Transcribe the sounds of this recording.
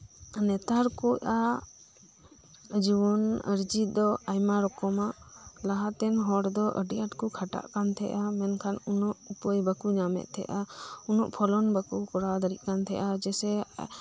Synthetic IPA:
nɛt̪aɾkuja | d͡ʒiwɔnə̰ɾd͡ʒid̪ɔajmaɾɔkɔmaʔlaɦat̪ɛnɦɔɾd̪ɔʔə̰ɖiʔaʈkukʰaʈa̰ʔkant̪ʰɛ̰ʔamɛnkʰanunɔʔupəjbəkuɲamɛ̰ʔt̪ʰɛ̰ʔaunɔʔpʰɔlɔnbakukɔɾawd̪əɾiʔ̚kant̪ʰɛ̰ʔad͡ʒɛsɛ

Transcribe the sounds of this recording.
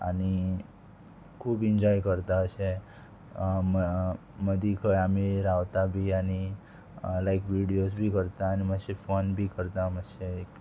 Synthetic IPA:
a̰ni | kʰuːbiɲd͡ʒɔjkəɾt̪aəʃe | məd̪ʱikʰəjamiɾaʋt̪abʱiañi | laikʋiɽiosbʱiːkəɾt̪aːniməʃefonbʱiːkəɾt̪aməʃek

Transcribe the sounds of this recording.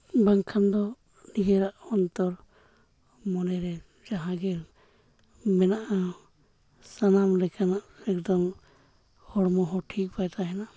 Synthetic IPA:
baŋkʰand̪ɔ | nid͡ʒɛɾaʔɔnt̪ɔɾ | mɔnɛɾɛ | d͡ʒaɦãɡɛ | mɛnaʔa | sanamlɛkʰanaʔɛk̚d̪ɔm | hɔɽmɔɦɔʈʰik̚pajt̪aɦɛna

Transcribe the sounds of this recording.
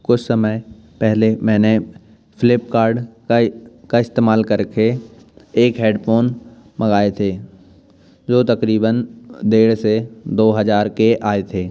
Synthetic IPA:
kʊt͡ʃʰsəməj | pɛɦlemɛ̃ːne | fʰɪlɪpkaːɾɖakaɪst̪eːmaːlkɐɾke | eːkɦeːɖpʰoːn | mɐɡaːet̪ʰeː | d͡ʒoːt̪ɐkɾiːbənd̪eːɽsed̪oːɦɐzaːɾkeʔaːet̪ʰeː

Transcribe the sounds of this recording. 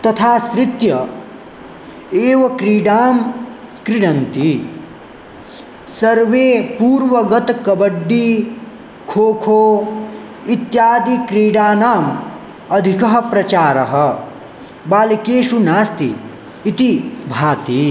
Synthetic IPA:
t̪ɐt̪ʰaːsɾɪt̪jɐ | eːʋɐkɾiːɖaːm | kɾiɽɐnt̪i | sɐɾʋeːpuːɾʋɐɡɐt̪kɐbɐɖːi | kʰoːkʰoː | it̪jaːd̪ikɾiːɖaːnaːm | ɐd̪ʱikɐɦɐpɾɐt͡ʃaːɾɐɦɐ̆ | baːlikeːʃunaːst̪ḭː | t̪ibʱaːt̪i

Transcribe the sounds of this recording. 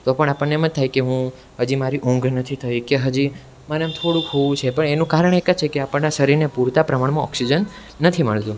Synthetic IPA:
t̪opəɳapəɳːeməd͡ʒt̪ʰajkeɦũ | ɦəd͡ʒimaɾiʔuŋɡnət̪ʰit̪ʰəjkeɦəd͡ʒi | məneamt̪ʰoɽũkʰot͡ʃʰepəɳenũkaɾəɳekət͡ʃʰekeapəɳnaʃəɾiɾnepuɾt̪apɾəmaɳmãɔ̰ksid͡ʒənː | ət̪ʰiməɭt̪ũ

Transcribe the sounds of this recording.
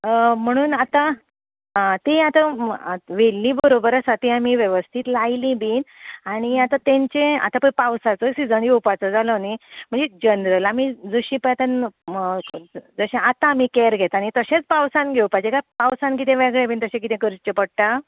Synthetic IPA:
m̤əɽ̃uːnat̪ã | ãt̪eat̪a | ʋelːĩbəɾobəɾasat̪ʰiamiʋjeʋəst̪ʰit̪lajlĩbiːnaɽ̃iat̪at̪ẽɲt͡ɕẽa̰t̪apəpawsat͡səsid͡zəɽ̃iupat͡səd͡zalɔnim̤əɳd͡zed͡ʑənɾəlamid͡zəɕipəjt̪an | d͡zəɕãʔat̪aːmikɛɾɡʱet̪anit̪əɕet͡spawsanɡʱewpad͡ʑekapawsankit̪ʰẽʋeɡɭẽbint̪əɕẽk̬it̪ʰẽkəɾd͡ʑt͡ɕepəɽ̚ʈa

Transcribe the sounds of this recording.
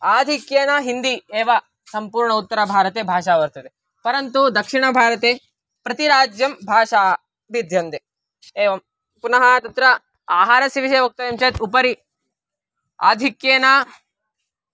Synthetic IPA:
aːd̪ʱikjeːnaɦind̪ieːʋɐ | sɐmpuːɾɳɐut̪ːɐɾɐbʱaːɾɐt̪eːbʱaːʂaːʋɐɾt̪ɐt̪e | pɐɾɐnt̪ud̪ɐkʂiɳɐbʱaːɾɐt̪eː | pɾɐt̪iɾaːd͡ʒjɐmbʱaːʃaː | bid̪ʱjɐnt̪e | eːʋɐm | punɐɦɐt̪ɐt̪ɾɐ | aːɦaːɾɐsiʋiʃɐjbʱɐk̚t̪ɐjɐmt͡ʃɐt̪upɐɾi | a̰ːd̪ʱikjeːna

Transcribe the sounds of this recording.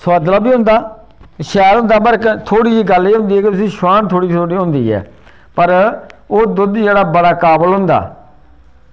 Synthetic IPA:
swaːd̪laːbiːɦʊ̃nd̪aː | ʃɛːɾɦʊ̃nd̪aːbəɾkt̪ʰoːɽiːiːɡəleːɦʊ̃nd̪iːɛːket̪ʊsĩːʃʋaːnt̪ʰoːɽiːoːɽiːɦʊ̃nd̪iːɛ̰ː | pəɾoːd̪ʊd̪d͡ʒeːɽaːbəɽaːkaːbəlɦʊ̃nd̪a̰ː

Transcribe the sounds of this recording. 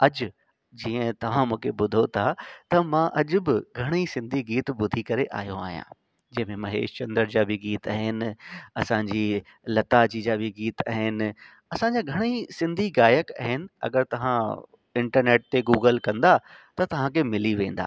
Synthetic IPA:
ɐd͡ʑʊ | d͡ʑiːə̃t̪ɐʋ̤ãmũːkʰebʊd̪ʱot̪ʰat̪ɐmãʔɐʄʊ̆bɪɡʱɐɽ̃isɪ̃nd̪ʱiɡiːt̪bʊd̪ʱikɐɾeʔa̰ːɦijõaːɦijã̰ | d͡ʑɐ̃ɦɪ̃mẽmɐɦḛːʃt͡ɕɐ̃nd̪əɾd͡ʑaːbiɡiːt̪aɦɪnɪ̆ɐsãːɲd͡ʑi | lɐt̪ad͡ʑid͡ʑaːbʱiɡiːt̪aɦɪnɪ̆ | ɐsãɲd͡ʑaːɡʱɐɽ̃isɪ̃nd̪ʱiɡaːjəka̰ːɦɪnɪ̆ɐ̰ɡəɾt̪ɐʋ̤ã | ɪ̃ɳʈəɾneːʈ̚t̪eɡuːɡəlkɐ̃nd̪a | t̪ɐt̪ɐʋ̤ãkʰeːmɪliʋẽːn̆d̪a̰ː

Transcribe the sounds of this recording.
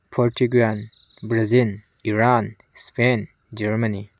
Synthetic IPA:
pʰɔɾtiɡan | bɾazin | iɾan | spen | d͡ʒəɾmani

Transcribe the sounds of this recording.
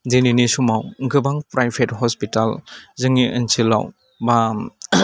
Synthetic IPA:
deninisumawɡɯbaŋpɾajpʰethɔspitalzɯŋiʔənt͡ʃila̰w | ba

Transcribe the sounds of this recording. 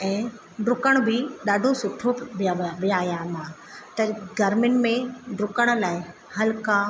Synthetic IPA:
ɛ̃ː | ɖɾʊkəɽ̃bʱɪɗaːɖʱosʊʈʰobɪaːɦjamãː | t̪ɐɡɐɾmɪɳmẽɖɾʊkəɽ̃laːɪ | hɐlka

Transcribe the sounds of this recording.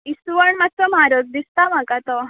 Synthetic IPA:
isuʋaɳmat̪t͡sɔmaɾət͡sd̪ist̪am̤akat̪ɔ

